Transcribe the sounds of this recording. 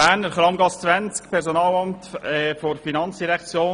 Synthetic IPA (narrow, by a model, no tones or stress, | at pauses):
æːnəɾχɾɑmɡɑst͡svænt͡skpʰɛɾsonɑːlɑmtɛfoɾfinɑnt͡sd̥iɾɛkʰt͡sjoː